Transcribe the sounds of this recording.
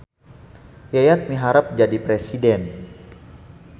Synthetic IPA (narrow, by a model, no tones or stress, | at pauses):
jajat̪̚miɦaɾap̚d͡ʒadipɾesidɛn